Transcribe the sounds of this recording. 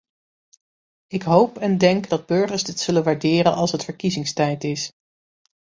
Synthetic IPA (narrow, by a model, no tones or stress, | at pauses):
ɪkɦowpɛndɛŋkdɑd̚bɵɹχəɹszdɪtsɵlənʋaːɹdɪːɾə̰nɑlˠsɦətfəɹkizɪŋstɛjtɪs